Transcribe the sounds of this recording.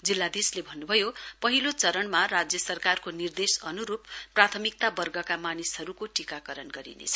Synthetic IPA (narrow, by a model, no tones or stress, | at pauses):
d͡zilːad̪islebʱʌnːubʱʌjopʌɦilot͡sʌɾʌɳmarad͡zjʌsʌrkarkonird̪esʌnuɾupːrat̪ʰʌmik̚t̪abʌrɡʌkamanisɦʌɾukoʈikakʌɾʌnɡʌɾḭnḛt͡sʰʌ̥